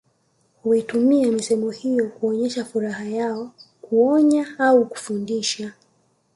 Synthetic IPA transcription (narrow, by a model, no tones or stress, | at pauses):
huitumiamisɛmɔhijɔkuɔɲɛʃafuɾahajaɔkuɔɲaauku̥fundiʃa